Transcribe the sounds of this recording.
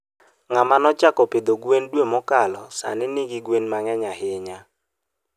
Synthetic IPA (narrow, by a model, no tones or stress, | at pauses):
ŋamanɔt͡ʃakɔpɪd̪oɡwendwemɔkalɔsa̰nɪnɪɡɪɡwenmaŋɛɲaɦɪɲa